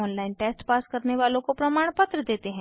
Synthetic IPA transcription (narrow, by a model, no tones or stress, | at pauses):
ɔːnlaːɪnʈeːsʈpaːskəɾneʋaːlõkopɾɐmaːɽ̃pət̪ɾəd̪eːt̪eɦɛ̃